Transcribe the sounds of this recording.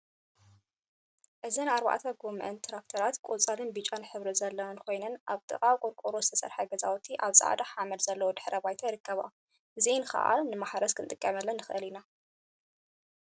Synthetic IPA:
ʔɨzɐnɨaɾβa̰ʕt̪ʰɐɡomʔɐ̰nt̪ʰɾak̚t̪ʰɐɾat̪kʼot͡sʼalɨnbɨt͡ʃʼːanħɨβɾɨzɐlːɐwɐnkʰo̞jnɐnʔaβt̪ʼɨ̰kʼawkʼoɾkʼoɾozɨt̪ʰɐsɐ̰ɾħɐɡɐza̰wt̪ʰiʔaβsʼa̰ʕ̰d̪aħamɐlz̥ɐlːɐwod̪ɨħɾɐbajt̪ʰɐjɾɨkʰːɐβa̰ | ʔɨzinxɐ̰ʔa̰nɨmaħɾɐskʰɨnt̪ʼɨkʼːɐmɐlːɐnːɨxɨʔɨlina

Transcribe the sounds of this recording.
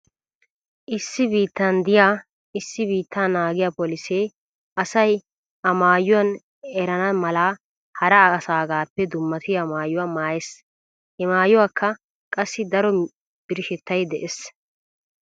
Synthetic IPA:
ʔɪsːɪbiːt̪ːɐnd̪ɪjaː | ɪsːɪbiːt̪ːaːnaːɡɪjaːpɔlɪseː | ʔɐsɐj | ɐmaːjʊwɐn | ɛɾɐnɐmɐlaː | hɐɾɐɐsaːɡaːpːɛd̪ʊmːɐt̪ɪjaːmaːjʊwaːmaːjɛs | hɛmaːjʊwaːkːɐ | kʼɐsːɪd̪ɐɾɔ | b̥ɪɾɪʃɛt̪ːɐjd̪ɛʔes

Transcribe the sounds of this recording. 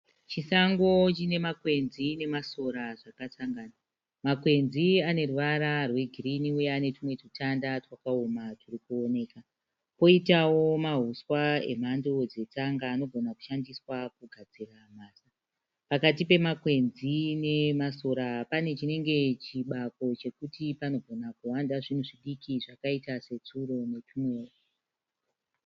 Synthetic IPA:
t͡ʃisaŋɡo̞t͡ʃine̞makwe̞nzine̞maso̞ɾaʐakat͡saŋɡaːna | makwe̞nziane̞ruʋaɾarweɡʱiriniujaane̞timwe̞tutandatwakaomatirikuone̞ːka | po̞itawo̞maɦuswae̞̰m̤ando̞d͡ze̞t͡saŋɡaːno̞ɡʱonaku̥ʃandiswakuɡʱad͡ziramaːsa | pakat̬ipe̞makwe̞nzine̞maso̞ɾapane̞t͡ʃine̞ŋɡe̞t͡ʃiɓako̞t͡ʃe̞kutipano̞ɡʱo̞nakuwandaʐin̤uʐiɗikiʐakaitase̞t͡suro̞ne̞tumweo

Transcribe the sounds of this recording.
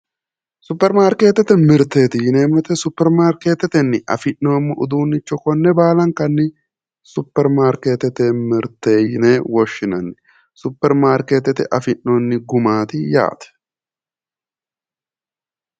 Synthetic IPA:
sʊpːɛɾmaːɾke̞ːt̪ːɛt̪ːɛmɪɾt̪ːeːt̪ɪjɪneːmɪɾt̪ːɛsʊpːɛɾmaːɾke̞ːt̪ːɛt̪ɛnːɪʔɐ̰fɪnːoːmːɪʔʊd̪uːnːɪt͡ʃːɔkɔnːɛbaːlɐŋkɐnːɪ | sʊpːɛɾmaːɾke̞ːt̪ːɛt̪ɛmɪɾt̪ːeːjɪneːwɔʃːɪnɐnːɛ | sʊpːɛɾmaːɾkeːt̪ːɛt̪ɛʔɐfɪnːoːnːɪɡʊmaːt̪ɪja̰ːt̪ɛ̥

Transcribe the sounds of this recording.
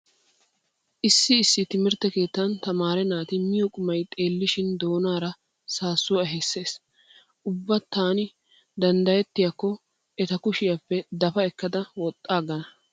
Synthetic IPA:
ʔɪsːɪːsːɪt̪ɪmɪɾt̪ːɛke̞ːt̪ːɐnt̪ɐmaːɾɛnaːt̪ɪmɪjɔkʼʊmɐjt̪ʼe̞ːlːɪʃɪnd̪o̞ːnaːɾɐ | saːsːʊwɛɦɛsːe̞ːs | ʔʊbːɐt̪ːaːnɪ | d̪ɐnd̪ɐjɛt̪ːɪjɐkːɔ | ɛt̪ɐkʊʃɪjɐpːɛd̪ɐfɐɛkːɐd̪ɐwɔt̪ʼːaːɡɐnɐ

